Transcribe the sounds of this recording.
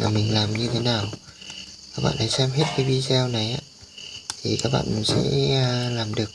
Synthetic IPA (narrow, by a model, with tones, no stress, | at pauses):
a̰ː˨˩mï˨˩ŋ̟laː˨˩mɲɨ˧t̪ʰe˨˦naː˨˩w | kaː˦˥k̚ɓa̰ː˧˨nʔa˧˦jsɛ˧mɦe˦˥t̚kaa˨˦jvi˧zɛ˧wna˨˩jʔaː˨˧˨ | t̪ʰi˨˩kaː˦˥k̚ɓa̰ː˧˨nm˨˩sɛ̰˧˥˧laː˨˩mɗɨ˨˩ək̚